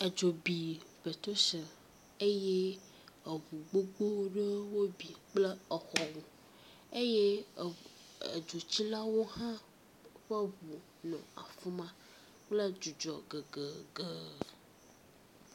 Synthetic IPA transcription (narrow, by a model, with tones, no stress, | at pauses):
ə˨d͡ʒo˨bi˨be˨t̪o˦sə˨ | e˦je˦ | ə˨βu˨ɡ͡bo˦ɡ͡bo˦ɖə˦wo˦bi˨k͡plə˦ə˨xɔ˨wu˨ | e˦je˦˨ | ḛ˨d͡ʒo˨t͡ɕi˦la˦wo˦ɦã˦ | ɸə˦βu˨ | nɔ̰̃˨a̰˨fu˦mã˦ | k͡plə˦d͡ʒu˨d͡ʒɔ˨ɡə˨ɡə˨ɡə˨